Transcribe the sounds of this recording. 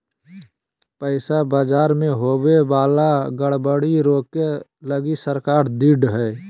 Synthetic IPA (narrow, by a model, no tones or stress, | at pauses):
pəɪsabaːd͡ʒaːɾmẽɦoːbebaːlaɡəɽbəɽiɾoːkeləɡisəɾkaːɾd̪iɖɦɛː